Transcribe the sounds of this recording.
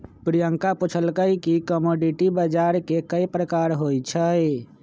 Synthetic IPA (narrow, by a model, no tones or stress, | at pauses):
pɾijəŋkapʊt͡ʃʰəlkəikikəmoːɖiʈibəd͡ʒaːɾkekəipɾəkaːɾɦoːit͡ʃʰə